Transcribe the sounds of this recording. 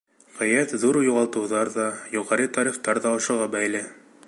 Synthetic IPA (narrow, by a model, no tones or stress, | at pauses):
ʁijæt̪ðuɾjuʁɑlˠt̪ɤ̆wðɑɾðɑjuʁɑɾɤt̪ɑɾiχt̪ɑɾðɑŏʃɤ̆ʁɑbæjlɘ